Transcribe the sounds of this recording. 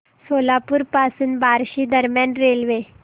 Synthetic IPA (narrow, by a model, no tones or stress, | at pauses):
solapuːɾpasuːnbaɾɕiːd̪əɾmjanɾelʋe